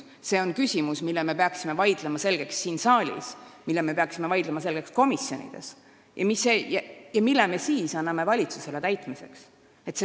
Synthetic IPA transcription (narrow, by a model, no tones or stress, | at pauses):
se̞o̞nkysʲimusmilːɛme̞pe̞ɑksime̞vɑjd̪̥lemɑse̞lɡ̥e̞ksːiːnsɑːlʲḭsmilːeme̞pe̞ɑksimevɑjd̪̥lemɑse̞lɡ̥e̞ksko̞misjo̞̰nḭd̪̥e̞̰s | jʔɑ̰misːejɑjɑmilːeme̞siːsɑnːɑme̞vɑlʲit̪suse̞le̞t̪æjt̪mise̞ks | e̞t̪ːse